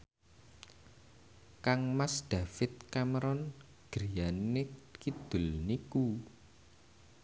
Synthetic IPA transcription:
kaŋmasd̪̥a̤fɪt̪̚kaməɾɔn | ɡ̥ɾijanekid̪̥ʊlniku

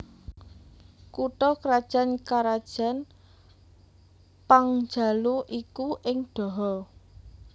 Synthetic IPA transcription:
kuʈɔkɾad̥ʒ̥a̤nkaɾad̥ʒ̥a̤n | paŋd͡ʒ̥a̤luʔikuʔɪŋɖ̥ɔ̤ɦɔ

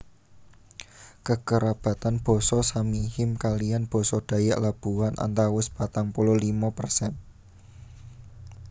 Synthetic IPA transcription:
kəkəɾab̥ä̤t̪anb̥ɔ̤sɔsamihɪmkalijanb̥ɔ̤sɔd̥ä̤ja̰ʔlab̥uwanʔa̰nt̪awʊspat̪aŋpulʊlimapərsɛn

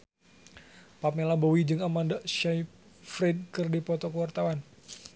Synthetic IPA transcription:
pap̚mɛlabɔwid͡ʒɨŋamandaʃaj | fɾid̚kɨrdipɔt̪ɔkəwart̪awan

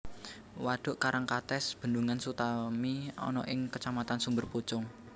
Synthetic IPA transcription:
waɖ̪̥ʊ̤ʔkaɾaŋkat̪ɛsb̥ə̤nduŋansut̪amiɔ̰nɔ̰ʔɪŋkət͡ʃamat̪ansumbərput͡ʃʊŋ

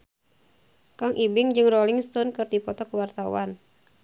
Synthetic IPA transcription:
kaŋʔibiŋd͡ʒɨŋrɔliŋst̪ɔnkɨrdipɔt̪ɔkuwart̪awa̰n

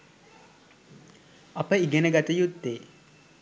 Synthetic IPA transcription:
ɐpəiɡenəɡat̪əjut̪ːeː

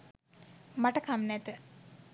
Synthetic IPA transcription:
maʈəkʰamnæt̪ə

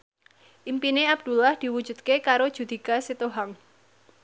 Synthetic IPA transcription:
ʔimpineab̚d̪̥ṳlahd̪̥i̤wud̥ʒ̥ṳdt̪̚kekaɾod̥ʒ̥ṳd̪̥i̤kaset̪oɦaŋ

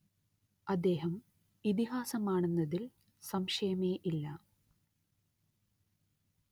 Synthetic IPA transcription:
ɐd̪ːe̞ːɦɐm | it̪̬iɦaːsɐmaːɳunːɐðil | sɐmʂɐjɐmeːʔilːɐ

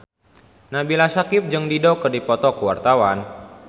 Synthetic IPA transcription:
nabilasakɪp̚d͡ʒɨŋdidɔkɨrdipɔt̪ɔkəwa̰rt̪awan

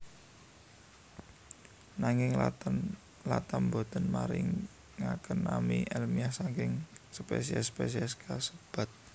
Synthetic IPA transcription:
naŋɪŋ | lat̪ambod̪ɔ̤nmaɾɪ̰ŋː | akənːamiʔɛlmiasaŋkɪŋsəpḛsiɛspes̬iɛskʰasəb̥a̤t̪̚

